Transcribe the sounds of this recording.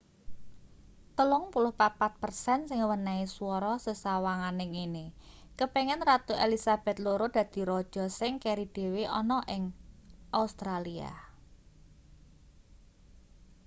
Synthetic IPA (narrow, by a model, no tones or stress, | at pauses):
t̪əlʊŋpulʊhpat̪̚pat̪̚pərsɛnsɪŋwənaisuɔɾɔsəsawaŋanɪŋinɪkəpeŋɛnrat̪uelisab̥ɛ̤t̪loɾod̪̥ä̤d̪̥i̤ɾɔd̥ʒ̥ɔ̤sɪŋkeɾid̪̥e̤weʔɔnɔʔɪŋʔaust̪ɾalia̰